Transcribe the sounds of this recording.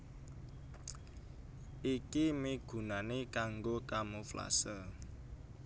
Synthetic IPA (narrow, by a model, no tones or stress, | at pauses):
ʔikimiɡ̥ṳnanekaŋɡokamofla̰sə